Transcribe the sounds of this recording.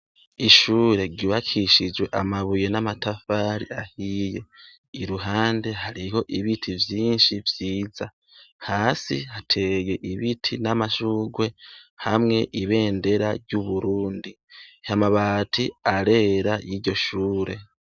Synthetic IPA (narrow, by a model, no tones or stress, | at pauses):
iʃuːɾe̞ɾɟiβakʰiʃid͡ʒwe̞ʔamaβuje̞namatafaːɾḭahije̞̰ | iɾuɦaːnde̞ɦaɾiho̞ʔiβitʰivjiːnʃivjiːza | haːsihatʰe̞je̞ʔiβitʰinamaʃuːɡwe̞hamŋe̞ʔiβe̞ːnde̞ɾaɾɟuβuɾuːndi | hamaβatʰiaɾe̞ːɾajiːɾɟo̞ʃuːɾe̞